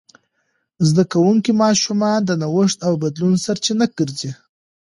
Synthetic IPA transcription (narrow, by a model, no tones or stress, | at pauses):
zd̪akawuŋkimɑʃumɑnd̪ənawʊʂt̪awbad̪lunsaɾt͡ʃinakəɾzi